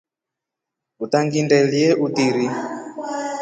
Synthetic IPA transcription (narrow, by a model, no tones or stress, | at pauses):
utaŋɡindɛliɛʔutiɾi